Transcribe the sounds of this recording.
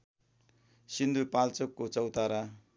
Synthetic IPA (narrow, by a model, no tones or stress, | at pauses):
sind̪ʱupalt͡sokːot͡sʌwt̪aɾa